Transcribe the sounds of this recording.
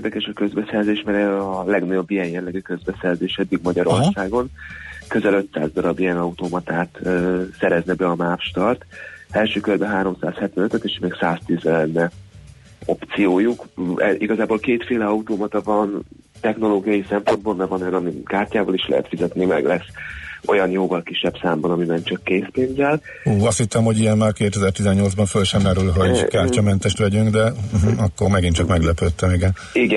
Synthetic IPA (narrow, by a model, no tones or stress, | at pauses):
rd̪ɛkɛʃɒkø̞zbɛsɛrzeːʃmɛɾɛɒlɛɡnɒɟo̞bːijɛnjɛllːɛɡykø̞zbɛsɛrzeːʃɛd̪ːiɡmɒɟɒɾo̞rsaːɡo̞nkø̞zɛlø̞t̪sa̰ːzd̪ɒɾɒbijɛnɒut̪oːmɒt̪aːt̪ːsɛɾɛznɛbɛɒmaːpʃt̪ɒrt̪ɛlʃøːkørbɛɦaːɾo̞msaːshɛt̪vɛnøt̪øt̪eːʃmeːksaːst̪izɛlɛnːɛ | o̞pt̪sijoːjukʔiɡɒzaːboːlkeːt̪feːlɛɒut̪oːmɒt̪ɒvɒn | t̪ɛxno̞loːɡijɒjisɛmpond̪boːlmɛvɒno̞jɒnɒmikaːrcaːbɒliʃlɛ̰ɦɛ̰t̪fizɛt̪nimɛ̰ɡlɛso̞̰jɒnjoːvɒlkiʃːɛbsaːmbɒnɒmibɛnt͡ʃɒkːeːspeːnzɛl | uːɒst̪hit̪ːɛmho̞ɟijɛnmaːrkeːt̪ɛzɛrt̪izɛɲːo̞lzbɒɱfølʃɛmːɛɾylɦo̞ɟkaːrcɒmɛnt̪ɛʃt̪ʋɛɟyŋɡd̪ɛɦ̩ɒkːormɛɡint͡ʃɒkmɛɡlɛpøt̪ːɛmiɡɛn | iɡɛ